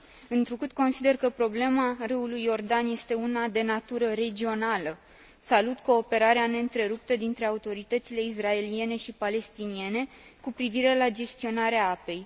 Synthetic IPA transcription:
ɨnt̪ɾukɨt̪ko̞nsid̪e̞rkəpɾo̞ble̞marɨulujːo̞rd̪anje̞st̪e̞unad̪e̞nat̪uɾəɾe̞d͡ʒio̞nalə | salut̪ko̞ːpe̞ɾaɾeane̞ɨnt̪ɾe̞ɾup̚t̪əd̪int̪ɾe̞aut̪o̞ɾit̪ət̪sile̞is̬rae̞lie̞ne̞ʃipale̞st̪inie̞ne̞ | kupɾiviɾe̞lad͡ʒe̞st̪io̞naɾeaape̞j

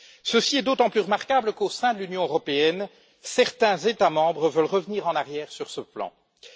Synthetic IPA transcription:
səsiɛd̪ot̪ɑ̃plyʁəmaʁkabləkosɛ̃d̪əlynjɔ̃øʁɔpeɛn | sɛʁt̪ɛ̃zet̪amɑ̃bʁəvœlʁəvəniːʁɑ̃naʁjɛːʁsyʁsəplɑ̰̃

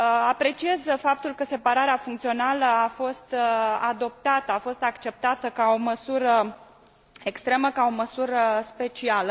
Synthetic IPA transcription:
apɾe̞t͡ʃie̞zfap̚t̪ulkəse̞paɾaɾeafuŋkt̪sio̞naləafo̞st̪ad̪o̞p̚t̪at̪əafo̞st̪akt͡ʃe̞p̚t̪at̪əkao̞məsuɾə | ekst̪ɾe̞məkao̞məsuɾəspe̞t͡ʃialə

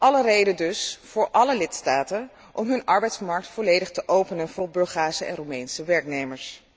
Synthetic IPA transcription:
ʔɑlərejdəndɵsv̥ʊːɹʔɑləlɪtstaːtən | ʔɔmɦɵnɑɹbɛjtsmɑɹk̚tfɔlejdəχtəʔowpənənvʊːɹbɵɹχaːsəʔɛ̰nrumɛjnsəʋɛɹknejməɹs

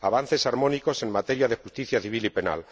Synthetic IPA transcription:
aβ̞an̟θe̞saɾmõniko̞se̞ŋmat̪e̞ɾjaðe̞xust̪iθjaθiβ̞ilipe̞na̰l

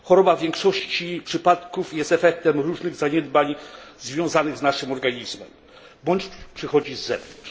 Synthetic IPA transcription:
xɔɾɔbavʲjɛŋkʂɔɕt͡ɕipʂɘpat̪kufjɛst̪ɛfɛk̚t̪ɛmɾuʐnɘɣzaɲɛd̪baɲzvʲjɔ̃w̃zanɘɣznaʂɘmɔɾɡaɲizmɛm | bɔɲt͡ɕpʂɘxɔd͡ʑizːɛvɔ

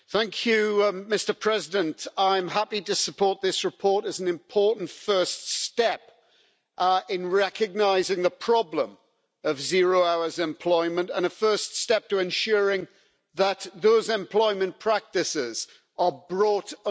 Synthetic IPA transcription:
θæ̃ŋkʰjʉmɪstə˞pʰɹ̥ɛzɪdə̃ntaɪ̃mɦapiɾəsəpʰɔɹt̪̚ðɪsɹɪpʰɔɹɾəzn̩ɨ̃mpʰɔɹʔn̩tfɜˑ˞ststɛp | ɪ̃nɹɛkɨɡ̚naɪzɪ̃ŋðəpʰɹ̥ɒblə̃m | əvzɪɹoʊaʊə˞zɛ̃mpʰl̥ɔɪmə̃ntə̃nəfɜˑ˞ststɛp̚tʰəɛ̃nʃʊːɹɪ̃ŋ | ðət̪ðoʊzɛ̃mpʰl̥ɔɪmə̃npʰɹ̥ak̚tɪsɪz̥ | əbɹɔˑt

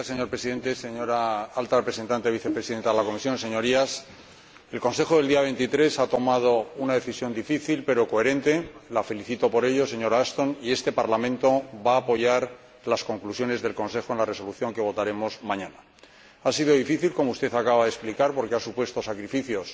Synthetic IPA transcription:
seɲo̞ɾpɾesiðe̞nt̪e̞se̞ɲo̞ɾaalt̪arepɾese̞nt̪ant̪eβ̞iθe̞pɾe̞siðe̞nt̪aðelako̞misjo̞nse̞ɲo̞ɾias | elko̞nse̞xoðeld̪iaβe̞jnt̪it̪ɾe̞sat̪o̞mað̞o̞unaðe̞θisjo̞nd̪ifiθilpe̞ɾo̞ko̞e̞ɾẽ̞nt̪e̞lafe̞liθit̪o̞po̞ɾe̞ʝo̞se̞ɲo̞ɾast̪o̞nie̞st̪e̞paɾlamẽ̞nt̪o̞baːpo̞ʝaɾ | lasko̞ŋklusjo̞ne̞zðe̞lkõ̞nse̞xo̞enlare̞so̞luθjo̞ŋke̞β̞o̞t̪aɾe̞mo̞zmãɲãna | asiðo̞ð̞ifiθilko̞moust̪e̞θakaβaðesplikaɾpo̞ɾke̞asupwe̞st̪o̞sakɾifiθjo̞s

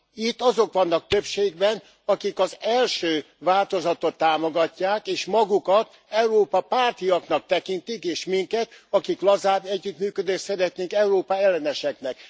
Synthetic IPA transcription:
it̪ːɒzo̞kʋɒnːɒk̚t̪ø̞pʃeːɡ̚bɛn | ɒkikɒzɛlʃøː | vaːlt̪o̞zɒt̪ot̪ːaːmoɡɒcːaːkeːʃmɒɡukɒt̪ | ɛuɾoːpɒpaːrt̪ijɒknɒk̚t̪ɛkint̪ikeːʃmiŋkɛt̪ɒkiklɒzaːbɛɟːyt̪myːkød̪eːʃsɛɾɛt̪neːŋkɛuɾoːpaɛlːɛnɛʃɛknɛk

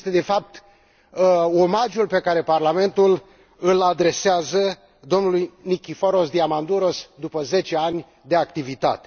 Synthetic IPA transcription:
st̪e̞d̪e̞fap̚t̪ | o̞maʒulpe̞kaɾe̞parlame̞nt̪ul | ɨlad̪ɾe̞seazə | d̪o̞mnulujnikʲifoɾo̞sd̪iamand̪uɾo̞sd̪upəze̞t͡ʃe̞anʲ | d̪eak̚t̪ivit̪a̰t̪e

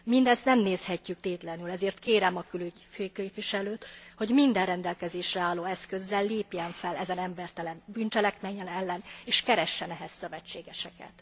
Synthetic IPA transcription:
mind̪ɛst̪nɛmneːshɛcːyk̚t̪eːt̪lɛnylɛzeːrt̪keːɾɛmɒkylyɟføːkeːpʋiʃɛløːt̪ho̞ɟmind̪ɛrrɛnd̪ɛlkɛzeːʃrɛaːlːoːɛskø̞zːɛlːeːpjɛnfɛlɛzɛnɛmbɛrt̪ɛlɛnbynt͡ʃɛlɛkmɛɲːɛnɛlːɛneːʃkɛɾɛʃːɛnɛɦɛsːøvɛt͡ʃːeːɡɛʃɛkɛ̰t̪

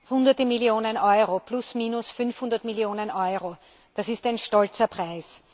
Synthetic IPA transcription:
hʊndɐtəmiljoːnənʔɔʏʁoplʊsmiːnʊsfʏnfhʊ̃ndɐtmiljoːnənʔɔʏʁo | d̥asɪstaæɪnʃtɔlt͡sɐpʁ̥aɪs

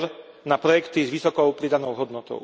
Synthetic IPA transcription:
ɾ | napɾɔjɛkt̪izʋisɔkɔʊpɾid̪anɔʊɦɔd̪nɔt̪ɔ̰ʊ

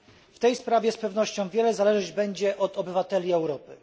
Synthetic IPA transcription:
ft̪ɛjspɾavʲjɛspɛvnɔɕt͡ɕɔ̃w̃vʲjɛlɛzalɛʒnɔʑd͡ʑbɛɲd͡ʑɛʔɔt̪ɔbɘvat̪ɛlʲiɛwɾɔpɘ

